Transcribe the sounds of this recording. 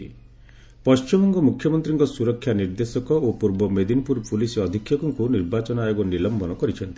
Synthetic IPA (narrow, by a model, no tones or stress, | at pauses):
ḭ | pɔst͡ʃimɔŋɡɔmukʰjɔmɔnt̪ɾiŋkɔsuɾɔkʰːjaniɾd̪esɔkɔopuɾbɔmed̪inpuɾpulisɔd̪ʱikʰːjɔkɔŋkuniɾbat͡ʃɔnajoɡɔnilɔmbɔnɔkɔɾit͡ʃʰɔnt̪i